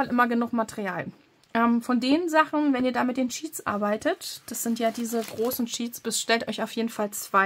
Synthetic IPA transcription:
alʔɪmɐɡənʊχmatʰəʁiaːl | ʔɛːmfɔndeːnnzaχn̩vɛniːɐdaːmɪt̚d̥eːnʃiːtt͡sʔa̰ɐbaɪtʰətd̥asz̥ɪntjaːdiːzəɡʁoːsn̩ʃiːtsb̥ɪsʃtɛltʔɔʏçaʊfjeːdn̩falt͡sv̥a

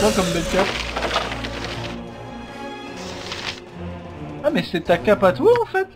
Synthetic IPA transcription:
wakɔmbɛlk̪ɛ | amɛsɛt̪akapat̪waɑ̃fɛt̪

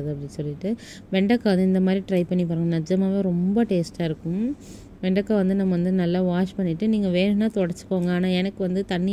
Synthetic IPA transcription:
ðɯɐpːɐɽɪsɔlːɪʈːɯ | ʋɛɳɖɐkːaːʋɐnd̪ɯɪnd̪ɐmaːd̪ɾiʈɾɐɪpɐɳːipaːɾɯŋɡɐnɐd͡ʒɐmaːʋẽːɾɔmbɐʈeːsʈaːɪɾɯkːʊ̃m | ʋɛɳɖɐkːaːʋɐnd̪ɯnɐmːɐʋɐnd̪ɯnɐlːaːʋaːt͡ʃpɐɳːɪʈːɯniːŋɡɐʋeːɳnːaːt̪ɔɽɐɾt͡ʃːɯ̥kːoːŋɡɐaːnaːɛnɐkːɯʋɐnd̪ɯt̪ɐɳːɪ

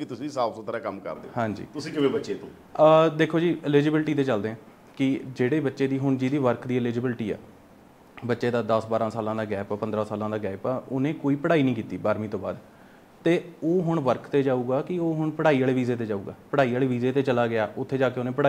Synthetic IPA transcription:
kɪt̪ʊsĩːsaːpsot̪ɾaːkəmkə̰ɾd̪ehãːɲd͡ʒḭːt̪ʊsĩːkɪʋeːbətːʃeːt̪õː | d̪eːkʰːoːd͡ʒiːɪliːd͡ʒɪbɪlʈiːt̪eːt͡ʃəld̪eːɦɛ̃ː | kɪd͡ʒeːɽeːbətːʃeːd̪iːɦʊɳd͡ʒiːd̪iːʋəɾkʰd̪iːɪliːd͡ʒɪbɪlʈiːɛ̰ː | bətːʃeːd̪aːd̪əsbaːɾãːsaːlãːd̪aːɡɛːpːpənd̪ɾãːsaːlãːd̪aːɡɛːpːʊnẽːkoːiːpəɽaːiːnĩːkiːt̪iːbaːɾmĩːt̪õːba̰ːd̪ | t̪eːoːɦʊɳʋəɾkʰt̪eːd͡ʒaːuːɡaːkɪoːɦʊɳpəɽaːiaːɭeːʋiːzeːt̪eːd͡ʒaːṵːɡa̰ːpəɽaːiːaːɭeːʋiːzeːt̪eːt͡ʃəlaːɡɪaːʊt̪ʰːeːd͡ʒaːkeːʊnẽːpəɽaː

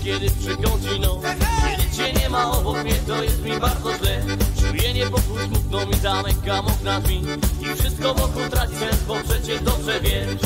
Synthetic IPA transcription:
kʲjɛd̪ɪpʂɨkɔ̃w̃d͡ʑinɔ̃ɛd͡ʑit͡ɕɛɲɛmaɔbɔkmʲɲɛt̪ɔjɛst̪mʲimaɾd̪zɔʑlɛt͡ʂujɛɲɛpɔkusmuk̪̚nɔwmʲizamɛkamɔknazmʲiifʂɪst̪̚kɔmɔkɔt̪ɾat͡ɕsɛ̃st̪vɔpʂɛt͡ɕɛd̪ɔbʐɛvʲjɛ

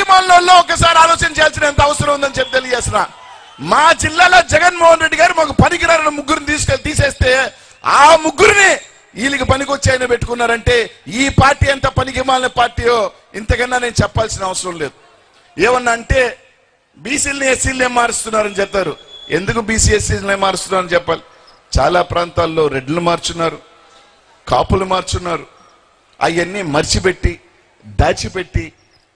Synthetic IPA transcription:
mallɐllo̞ːɔkːɐsaːɾiaːlɔːt͡ʃɐnt͡ʃejals̬inɐɐnt̪ɐʋɐsɐɾɐmund̪ɐnit͡ʃepːit̪eliɐd͡ʒeːsinaː | maːd͡ʒilːaːloːd͡ʒɛɡɐnmɔːɦɐnɾe̞ɖːiɡaːɾimaːkupɐnikiɾaːɾɐnɐmuɡːuɾnit̪iːsu̥kelt̪iːseːst̪e̞ː | a̰ːmuɡːuɾini | iːlikipɐnikot͡ʃːaːjnɐpeʈːu̥kunːaːɾɐɳʈe̞ːiːpaːɾʈːiːɐnt̪ɐpɐnikimaːlnɐpaːɾʈiːloː | ḭnt̪ɐkɐnːaːne̞ːnut͡ʃɛpːaːlsinɐɐʋɐsɾɐmle̞ːd̪u | eːʋɐnːaːɳʈe̞ː | biːsiːlniesiːlneːmmːaːɾist̪unːaːɾɐnit͡ʃɛpt̪aːɾue̞̰nd̪ukubiːsiːesineːmːaːɾist̪unːaːɾɐnit͡ʃɛpːaːli | t͡ʃa̰ːlaːpɾaːnt̪aːlːo̞ːɾe̞ɖːunumaːɾt͡ʃunːaːɾu | ka̰ːpulumaːɾt͡ʃunːaːɾu | ɐ̰jɐnːimɐɾt͡ʃipe̞ʈːi | d̪aːt͡ʃipe̞ʈːi

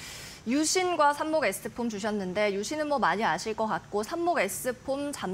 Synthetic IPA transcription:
juɕʰinɡwasʰamːoɡe̞s͈ɯpʰumt͡ɕuɕ̬ʰʌnːɯnde̞juɕʰinɯnmwʌmaɲiaɕʰiɭk͈ʌk͈at̚k͈osʰamːoɡe̞s͈ɯpʰomt͡ɕam

